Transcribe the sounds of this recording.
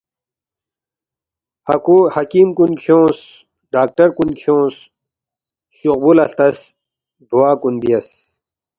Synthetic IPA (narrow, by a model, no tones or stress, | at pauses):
hɐkuhɐkiːmkunkʰjõːs | ɖaːk̚ʈɐɾkunkʰjõːs | ɕuq̚bulɐɬt̪ɐs | d̪ʱuwaːkunbijɐs